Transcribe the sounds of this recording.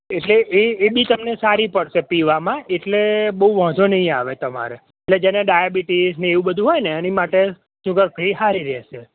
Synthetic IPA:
eʈleʔeːbit̪əmnesaɾipəɽʃepiʋamãeʈlebəuʋə̃ːd̪onəɦĩaʋet̪əma̰ɾe | eʈled͡ʒɛneɖajabiʈizneːʋũbəd̪ʱuɦojneɛnimaʈe | sʊɡəɾpʰəiɦaɾiɾɛʃe

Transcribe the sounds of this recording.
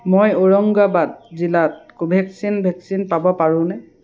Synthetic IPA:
mojoɹɔŋɡabad̚zilat̚kubʱɛksinbʱɛksinpabɔpaɹʊ̃nɛ

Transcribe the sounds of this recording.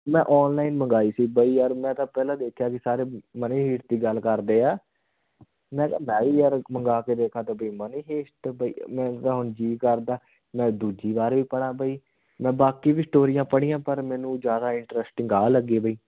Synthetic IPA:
mɛ̃ːʔɔːnlaːɪnməŋɡaːiːsiːbəiːəɾmɛ̃ːt̪ãːpɛːlãːd̪eːkʰjaːkɪsaːɾeːməneːɦiːʈt̪iːɡəlkəɾd̪eːaː | mɛ̃ːkːmɛ̃ːiːəɾməŋɡaːkeːd̪eːkʰaːt̪aːbəiːməneːɦeːsʈbəḭːmɛ̃ːt̪ãːɦʊnd͡ʒiːkəɾd̪aː | mɛ̃ːd̪uːd͡ʒiːbaːɾʋiːpəɽ̃ãːbəiː | mɛ̃ːbaːkiːbiːsʈoːɾɪjãːpəɽ̃iːãːpəɾmɛ̃ːnũːd͡ʒjaːd̪aːɪɳʈɾɛsʈɪ̃ŋɡaːləɡeːbʱəiː

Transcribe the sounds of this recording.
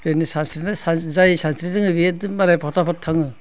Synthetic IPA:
penisansɾinasazajsansɾiɾɯŋɯbiedɯmmaɾajpʰɔtapʰɔtʰːaŋɯ

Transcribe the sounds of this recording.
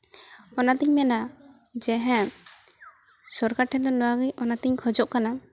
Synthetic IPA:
ɔnat̪iɲmɛna | d͡ʒɛɦɛ̃ | sɔɾkaʈʰɛd̪ɔnɔwaɡijɔnat̪iɲkʰɔd͡ʒɔʔkana

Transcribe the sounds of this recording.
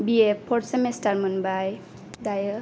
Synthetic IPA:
biepʰɔtsemestaɾmunbaj | dajə

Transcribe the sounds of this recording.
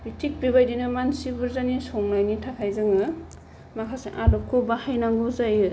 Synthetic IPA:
bitʰik̚biβajdinɯmansibɯɾzanisɔŋnajnitʰakʰajzɯŋɯ | makʰaseŋʔalɔkʰːobahajnaŋɡozajɯ

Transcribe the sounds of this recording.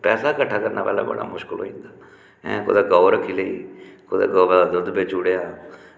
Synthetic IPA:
pɛːsaːkəʈʰːaːkəɾnaːpɛ̰ːla̰ːbə̰ɽa̰ːmʊʃkəlɦo̰ːĩːnd̪aː | ɛ̰̃ːko̰d̪aːɡaːɾəkʰːiːləiːkod̪a̰ːɡɔːbdaːd̪ʊd̪beːt͡ʃuɽejaː

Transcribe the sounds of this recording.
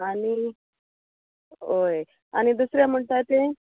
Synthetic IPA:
ani | oj | añid̪usɾjam̤əɳt̪ajt̪e

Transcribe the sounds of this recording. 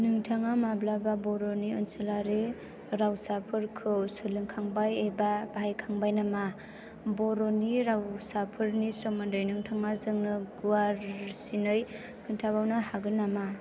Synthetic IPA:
nɯŋtʰaŋamablababɔɾoniɯnsɯlaɾe | ɾawsapʰɯɾkʰɯwsɯlɯŋkʰaŋbajebabajkʰaŋbajnama | bɔɾoniɾawsapʰɯɾnisɔmandɯjnɯŋtʰaŋazɯŋnɯɡuwaɾsinɯj | kʰɯntʰabawnahaɡɯnama

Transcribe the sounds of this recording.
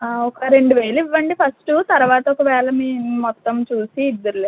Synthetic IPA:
ɔkɐɾe̞ɳɖuʋeːluiʋːɐɳɖipʰɐsʈut̪ɐɾuʋaːt̪ɐɔkɐʋɛːlɐmiːmɔt̪ːɐmt͡ʃuːsiːd̪ːɐɾule

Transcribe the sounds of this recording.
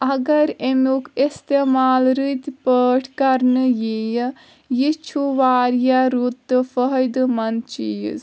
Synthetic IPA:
ɐɡɐɾemokʰest̪emaːlɾɨt̪pəʈʰkɐɾnɨjej | jit͡ʃʰuʋaːɾjaɾut̪ːɨfəɦəjd̪mɐnt͡ʃḭːz

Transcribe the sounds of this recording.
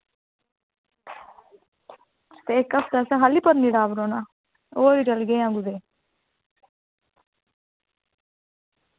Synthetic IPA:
t̪eːkːəpʰd̪asɛ̃ɦaːlipəɾniɽaːbɾoːnaː | oːɾiːd͡ʒəlɡeãɡud̪eː

